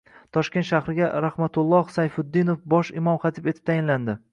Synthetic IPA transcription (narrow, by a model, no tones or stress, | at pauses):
t̪ʰɒʃkʲet̪ʃahɾɪɡʲaɾahmat̪ʰʊlˠːɒhsajfʊd̪ːinofbɒʃɪmɒmχɑt̪ʰɪpet̪ɪ̥p̚t̪ʰajɪnland̪ɪ